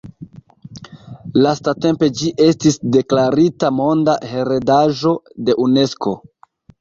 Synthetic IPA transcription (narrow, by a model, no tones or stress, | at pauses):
lastate̞mpe̞d͡ʒiʔe̞stisde̞klaɾitamo̞ndahe̞ɾe̞daʒo̞de̞ʔune̞sko̞̰